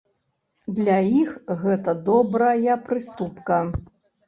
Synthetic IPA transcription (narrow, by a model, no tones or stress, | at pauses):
d̪lʲaixɣɛt̪ɐd̪ɔbɾɐjɐpɾɨst̪upkɐ